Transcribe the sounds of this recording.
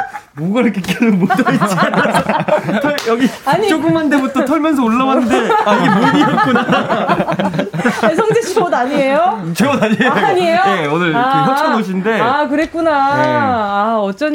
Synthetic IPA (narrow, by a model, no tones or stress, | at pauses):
muɡɭk͈ek͈eɾɯmotʌiʌnmʌsʰʌtʰʌɭjʌɡiaɲit͡ɕoɡɯmande̞butʰʌtʰʌɭmjʌns̬ʰʌoɭːawanɯnde̞iɡemodijʌt̚k͈una | esʰʌŋd͡ʑeɕʰiodaɲie̞jot͡ɕʰeɡʌnaɲieoɲiejojeonɯɭaeɦʰʌt͡ɕʰanoɕ̬ʰinde̞akɯɾet̚k͈unaː | ʌt͡ɕ͈ʌn